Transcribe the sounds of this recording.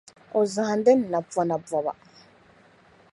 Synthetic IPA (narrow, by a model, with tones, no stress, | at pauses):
o˨za˨ndɛ˦n˨na˨ba˨na˨bwa˨ba̰˨